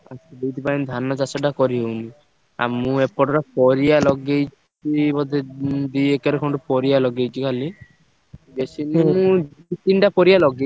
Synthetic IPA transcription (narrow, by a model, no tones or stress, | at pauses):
a̰sd̪ejt̪ʰipainid̪ʱanɔd͡ʒasɔɖakɔɾiɦewni | a̰mũepɔʈɔɾapɔɾijalɔɡejt͡ʃ | ibɔd̪ed̪iekaɾekʰõɳʈɔpɔɾijalɔɡejt͡ʃʰikʰali | besinemũd͡ʒiit̪iɳʈapɔɾijalɔɡe